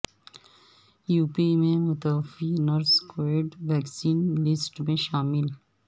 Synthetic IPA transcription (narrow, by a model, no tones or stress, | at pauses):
juːpimẽmʊt̪əfinɔɾskoɪɖʋɛːksiːnlɪsʈmẽʃaːmɪl